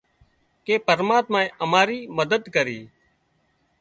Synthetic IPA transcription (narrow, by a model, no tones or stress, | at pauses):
keːpəɾmaːt̪mãːẽːʔəmaːɾiːməd̪əd̪kəɾḭː